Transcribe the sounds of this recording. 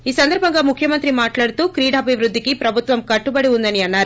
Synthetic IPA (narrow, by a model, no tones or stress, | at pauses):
iːsɐnd̪ɐɾbʱɐŋɡaːmukʰjɐmɐnt̪ɾimaːʈlaːɽut̪uːkɾiːɽɐːbʱiʋɾud̪ʱːikipɾɐbʱut̪ʋɐmkɐʈːubɐɽiund̪ɐniɐnːaːɾu